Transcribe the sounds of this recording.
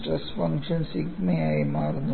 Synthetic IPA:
ʈɾɐsfɐŋkʂɐnsikmeaːjimaːɾnu

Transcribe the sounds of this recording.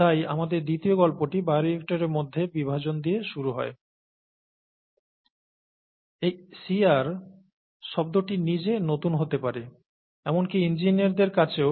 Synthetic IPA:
ajamad̪eɾd̪it̪ioɡɔlpoʈibaɾiek̚ʈaɾeɾmod̪ʱːebibʱad͡ʑond̪ieʃuɾuɦɔ̰e | esiaɾ | ʃɔb̚d̪oʈinid͡ʑenot̪unɦot̪epaɾe | ɛmonkiind͡ʑiniaɾd̪eɾkat͡ɕʰe

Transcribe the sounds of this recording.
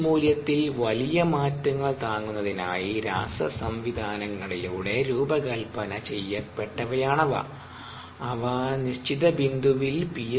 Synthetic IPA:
muːljɐt̪ːilʋɐlijɐmaːtːuŋːɐɭt̪aːŋːunːɐðina̰ːjiɾa̰ːsɐsɐmʋid̪ʱaːnɐŋːɐɭiluːɽeɾuːbɐkɐlpɐnɐt͡ɕe̞jːɐpːeʈːɐʋɐjaːɳɐʋɐ̰ | ɐʋɐniɕt͡ɕiðɐbind̪ʱuʋilpij

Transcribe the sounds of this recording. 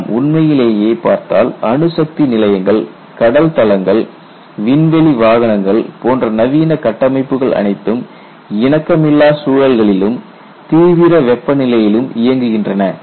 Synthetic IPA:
mʔʊɳmɐjɪleːjeːpa̰ːɾt̪a̰ːlɐɳɯsɐk̚t̪inɪlɐjɐŋɡɐɭ | kɐɽɐlt̪ɐlɐŋɡɐɭ | ʋɪnʋɛliʋaːɣɐnɐŋɡɐɭpoːndrɐnɐʋiːnɐkɐʈːɐmɐɪpːɯɣɐɭʔɐ̰nɐɪt̪ːɯm | ɪnɐkːɐmɪlːaːsuːɻɐlɣɐɭɪlɯm | t̪iːʋɪɾɐʋɛpːɐnɪlɐjɪlɯmɪjɐŋɡɯɣɪndrɐnɐ

